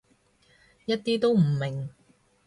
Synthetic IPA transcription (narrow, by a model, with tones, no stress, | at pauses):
jɐ˥t̚t̪iː˥t̪o˥wm̩˨˩mɪ˨˩ŋ